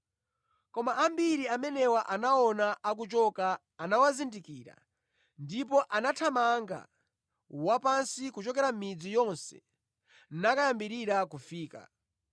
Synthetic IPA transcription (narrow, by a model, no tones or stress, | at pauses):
kɔmaʔambiɾiamɛnɛwaʔanaɔnaʔak̬ut͡ʃɔkaː | nawazindikiːɾa̰ | ndip̬ɔʔanatʰamaŋɡa̰ | wapansikut͡ʃɔkɛɾam̩mid͡zijɔnsɛ̰ | nakajambiɾiɾakufiːka̰